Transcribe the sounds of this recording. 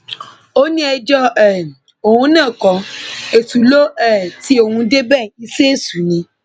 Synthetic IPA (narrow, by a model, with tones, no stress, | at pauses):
o˦nĩ˦ɛ˧d͡ʒɔ˦ɛ˨ | o˨hũ˧˦nãː˦˨kɔ˨e˨tu˨lo˦ɛ˦˨ti˦o˨ŋũ˧de˦bɛ˦˨i˦se˦e˦˨su˨˦nĩ˧